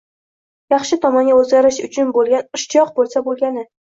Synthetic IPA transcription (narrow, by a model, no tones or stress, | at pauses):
jɑχʃɪt̪ʰɒmɒnɡʲaɵzɡʲaɾɪʃʊt͡ʃʰʊnbolˠɡʲanʊʃt͡ʃʰjɒq̚bolˠsabolˠɡʲanɪ